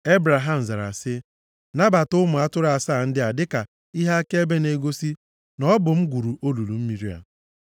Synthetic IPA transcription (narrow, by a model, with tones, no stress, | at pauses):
e˦bɾa˨ɦa˦m̩˨za˨ɾa̰˨sɪ˦ | na˦ba˨tʊ˦mʊ˨a˦tʊ˦ɾa˨saː˦˨n̩˦dɪ˦a˨dɪ˦ka˨ | i˦ɦa˦ke˦e˦be˦ne˨ɡo˦si˦ | nɔ˦bʊ˨m̩˦ɡʷu˨ɾu˨ʔo˦lu˨lu˨m̩˦mi˨ɾi˦a̰˨